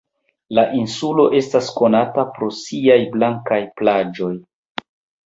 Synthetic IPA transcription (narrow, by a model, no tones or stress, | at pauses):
laʔinsulo̞ʔe̞stasko̞natapɾo̞siajblaŋkajplad͡ʒo̞j